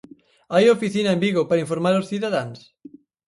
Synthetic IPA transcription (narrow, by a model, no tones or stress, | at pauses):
ajofiθinɐẽmbiɣopaɾaiɱfoɾmaɾosθiðaðans